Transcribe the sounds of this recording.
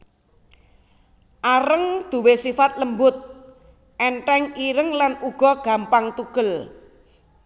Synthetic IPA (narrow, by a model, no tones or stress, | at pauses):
ʔaɾəŋd̪̥ṳwesifat̪̚ləmbʊt̪̚ | ʔɛɳʈɛŋiɾəŋlanuɡ̥ɔ̤ɡ̥a̤mpaŋt̪uɡ̥ə̤l